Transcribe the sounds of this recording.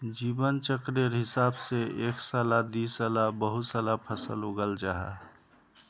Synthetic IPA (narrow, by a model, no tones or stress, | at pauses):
d͡ʒiːbənt͡ʃəkɾeɾɦɪsaːbseeksaːlad̪isalabəɦut̪salapʰəsə̰lɦoɡəld͡ʒaɦa̰